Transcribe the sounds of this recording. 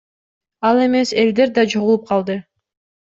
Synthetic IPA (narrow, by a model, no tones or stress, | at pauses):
ɑlˠe̞me̞se̞ld̪e̞ɾd̪ɑt͡ʃʰoʁlˠup̚qʰɑlˠd̪ɯ